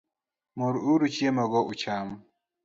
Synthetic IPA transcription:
muɾuuɾut͡ʃiemaɡɔʔut͡ʃaːmu

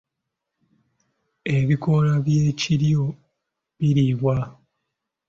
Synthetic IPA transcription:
e̞βiko̞laβjeciɾjo | βiɾiβwa

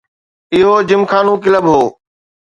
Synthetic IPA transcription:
ɪɦoːd͡ʑɪmkʰaːnũːkɪləbɦoː

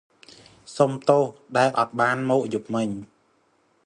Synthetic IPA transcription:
somt̪oːhɗaɛlʔɑt̪̚ɓaːnmɔːʔjup̚mɨɲ

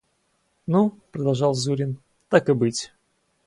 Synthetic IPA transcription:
nupɾəd̪ɐlˠʐɑlˠzuɾʲɪn | t̪akɨbɨtʲ

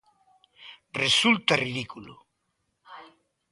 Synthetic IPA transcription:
result̪ariðikulo̰

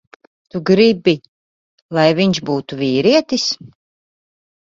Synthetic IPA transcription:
t̪uɡɾibi | lˠajviɲʃbuːt̪uviːɾiɛt̪is

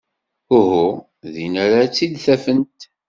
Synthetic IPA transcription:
ʊɦʊ | ðinæɾat͡sːid̪θæfənt̪

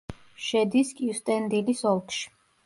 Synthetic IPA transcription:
ʃɛd̪iskʼiust̪ʼɛnd̪ilisɔlˠkʰʼʃi̥

